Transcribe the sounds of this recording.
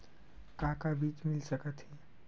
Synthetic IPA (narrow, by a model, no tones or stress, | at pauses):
kãkabiːt͡ʃmɪlsəkət̪ɦi